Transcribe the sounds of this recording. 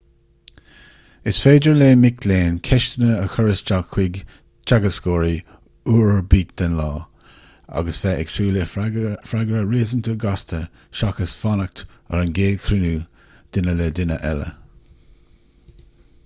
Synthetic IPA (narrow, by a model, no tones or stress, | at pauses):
ɪsfeːdəɹleːmɪkleːnkʰɛʃt̪ənəəxəɹəst͡ʃakʰwɪɡ | t͡ʃaɡəskoːɹi | uːɹəbiːt̪̚d̪̥ənlɑː | a̰ɡəsfɛːʔɛksuːləfɾaɡɹəɹiːzənt̪ʰəɡast̪ʰə | ʃɑkəsfɑnək̚t̪ə̰ɾənɡeːdkʰɾɪnuː | d̪̥ɪnəlɛd̪ɪnəʔɛlə̰